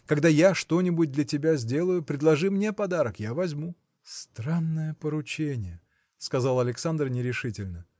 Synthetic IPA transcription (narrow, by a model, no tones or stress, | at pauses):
kɐɡd̪ajaʂt̪o̞nʲɪbʊt̚ʲd̪lʲətʲɪbʲazʲdʲe̞lˠəjʊpɾʲɪd̪lˠɐʐɨmnʲe̞pɐd̪aɾəkjavɐzʲmu | st̪ɾanːəjəpəɾʊt͡ɕenʲɪjə | skɐzalˠɐlʲɪksand̪r̩nʲɪɾʲɪʂɨtʲɪlʲnə